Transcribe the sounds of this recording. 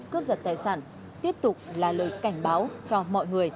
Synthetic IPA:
kɨ˦əp̚zə˨˩t̚t̪aː˨˩jsaː˧˩n | t̪i˦˥əp̚t̪ʊ˨˩k͡p̚laː˨˩ləː˨˩jka˧˩jŋ̟ɓaː˨˦wt͡ɕɔ˧mɔ̰˧˨jŋɨ˨˩əj

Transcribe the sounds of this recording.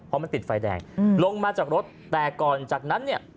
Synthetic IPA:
pʰɔ˦˧ma˧nt̪i˨˩t̪̚faː˧jdɛ̰ː˨˩ŋlo˧ŋmaː˧t͡ɕaː˨˩k̚ɾo˦˥t̪̚ːɛː˨˩kɔː˨˩nt͡ɕaː˨˩k̚na˦˥nːi˥˩ɐ

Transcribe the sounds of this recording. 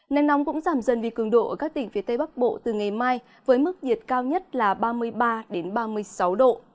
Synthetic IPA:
na˨˩jŋnɔ˨˦wŋ͡mkʊ̰˧˥ŋ͡mzaː˧˩mzə˧˨˩nvi˨˩kɨ˨˧˩əŋɗo̰˧˨ʔəː˧˩kaː˦˥k̚t̪ï˨˩ŋ̟fi˨˦t̪ə˧jɓa˦˥k̚ɓo̰˧˨t̪ɨ˨˩ŋa˨˩jmaː˧j | vəː˨˦jmɨ˦˥k̚zi˨˩ət̚kaː˧wɲə˦˥t̚laː˨˩ɓaː˧mɨ˧əjɓaː˧ɗe˨˦nɓaː˧mɨ˧əjsa˨˦wɗo̰˧˨

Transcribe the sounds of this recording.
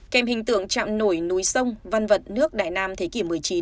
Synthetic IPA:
kɛ˧mhï˨˩ŋ̟t̪ɨ̰˧˨əŋt͡ɕa̰ː˧˨mno˧˩jnu˨˦jsə˧wŋ͡mva˧nvə˨˩t̚nɨ˦˥ək̚ɗa̰ː˧˨jnaː˧mt̪ʰe˨˦ki˧˩əmɨ˨˩əjt͡ɕi˨˦n

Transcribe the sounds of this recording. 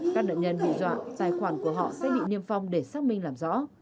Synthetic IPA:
kaː˦˥k̚ɗə̰˧˨ɲə˧nɓḭ˧˨zwa̰ː˧˨zaː˧˩jxwaː˧˩nku˧˩əɦɔ̰˧˨sɛ̰˧˥ɓḭ˧˨ni˧əmfa˧wŋ͡mɗe˧˩saː˦˥k̚mï˧ŋlaː˨˩mzɔ̰˧˥

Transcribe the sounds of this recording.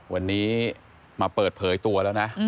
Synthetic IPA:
wa˧nːiː˦˥ | maː˧pɤː˨˩t̪̚pʰɤː˩˦jt̪u˧ɐlɛː˦˥wna˦˥ʔ

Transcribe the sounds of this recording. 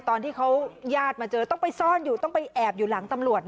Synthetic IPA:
t̪ɔː˧nt̪ʰiː˥˩kʰa˦˥wjaː˥˩t̪̚maː˧t͡ɕɤː˧t̪ɔ˥˩ŋpa˧jsɔː˥˩njuː˨˩t̪ɔ˥˩ŋpa˧jʔɛː˨˩p̚juː˨˩laː˩˦ŋt̪a˧mɾu˨˩ət̪̚

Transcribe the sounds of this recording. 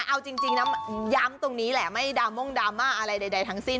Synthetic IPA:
ʔa˧wt͡ɕi˧ŋt͡ɕi˧ŋna˦˥mja˦˥mt̪o˧ŋniː˦˥lɛ˨˩ma˥˩jdaː˧mo˥˩ŋdaː˧mːaː˥˩ʔa˧ɾa˧jda˧jda˧jt̪ʰa˦˥ŋsi˥˩n

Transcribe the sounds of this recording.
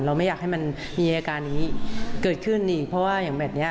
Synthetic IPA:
nɾa˧wma˥˩jaː˨˩k̚ha˥˩jma˧n | miː˧kaː˧na˨ŋ˩iː˦˥kɤː˨˩t̪̚kʰɯ˥˩nʔiː˨˩k̚pʰɔ˦˥waː˥˩jaː˨˩ŋbɛː˨˩p̚ni˦˥

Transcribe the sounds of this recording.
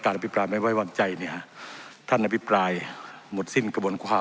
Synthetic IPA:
kaː˨˩t̪̚ʔa˧pʰi˦˥pɾaː˧jma˧˥˩jwa˧˥˩jwa˧˩ŋt͡ɕa˧jni˧˩˨ha˧˥t̪ʰa˥˩nʔa˧pʰi˦˥pɾaː˧jmo˨˩t̪̚si˧˥˩nka˧bu˧ənkʰaː˧˩

